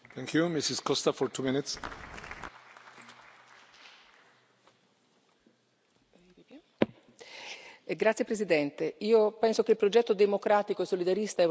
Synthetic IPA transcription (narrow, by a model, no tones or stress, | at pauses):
θɛ̃ŋkʰjumisɪskɔst̪afɔɹt̪ʰumɪnɪt̪s | ɡɾat̪sːjepɾesid̪ɛnt̪eiːopɛnsokeilpɾod͡ʒɛt̪ːod̪emokɾaːt̪ikoesːolid̪aɾist̪aɛ